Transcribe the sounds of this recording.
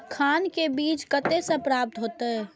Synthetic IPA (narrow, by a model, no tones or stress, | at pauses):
kʰaːnkebiːt͡ʃkət̪esə̃pɾaːp̚t̪ɦoːt̪e